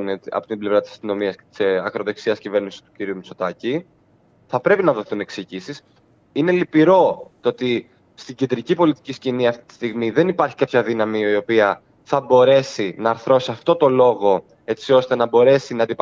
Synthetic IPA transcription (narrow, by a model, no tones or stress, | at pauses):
not̪iɐ̰po̞t̪ible̞vɾɐt̪isɐ̥st̪ino̞miɐst̪i̥sɐkɾo̞ðo̞ksiɐscive̞ɾnisi̥st̪u̥ciɾiumit͡so̞t̪ɐci | θɐpɾe̞pinɐðo̞θune̞kseʝisis | ine̞lipiɾo̞t̪oot̪i | st̪iɟend̪ɾicipo̞lit̪i̥cisciniɐft̪it̪i̥st̪iɣmiðe̞nipɐɾçi̥kapçɐðinɐmiio̞piɐ | θɐbo̞ɾe̞sinɐːɾθɾo̞siɐft̪o̞t̪o̞lo̞ɣo̞ | e̞t͡sio̞st̪e̞nɐbo̞ɾe̞sinɐd̪ip